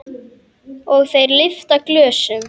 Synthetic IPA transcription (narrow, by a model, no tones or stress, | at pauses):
ɔɣθejɾlɪft̪aklœːsʏm